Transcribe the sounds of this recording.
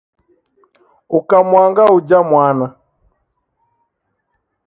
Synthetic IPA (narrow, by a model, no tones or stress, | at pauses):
ukamwaŋɡaud͡ʒamwana